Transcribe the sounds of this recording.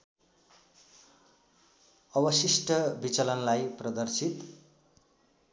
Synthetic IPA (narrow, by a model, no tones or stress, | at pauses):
ʌbʌsisʈʌbit͡sʌlʌnlajprʌd̪ʌrsit̪